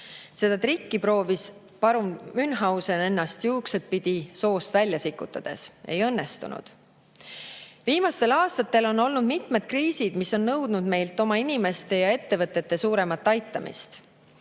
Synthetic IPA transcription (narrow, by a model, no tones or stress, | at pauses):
se̞d̪̥ɑt̪rikːipɾo̞ːvis | pɑɾummynɦɑwse̞ne̞nːɑst̪juːkse̞t̪̚pid̪̥iso̞ːst̪vælʲjɑsikːˑut̪ːˑɑd̪̥e̞̰se̞̰jɤ̞nːest̪ṵnṵd̪̥ | viːmɑst̪e̞lɑːst̪ɑt̪ːˑe̞lo̞nːo̞lnud̪mit̪me̞d̪̥̚kriːsid̪̥misːo̞nːɤwd̪nud̪me̞jlt̪ːˑo̞mɑinʲime̞st̪e̞jɑe̞t̪ːe̞vɤt̪ːˑe̞t̪ːe̞suːɾe̞mɑt̪ːɑjt̪ːˑɑmʔḭst̪